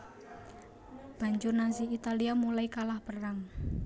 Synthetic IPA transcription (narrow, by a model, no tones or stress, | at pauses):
b̥a̤ɲd͡ʒʊrnansiit̪aliamulaikalahpəraŋ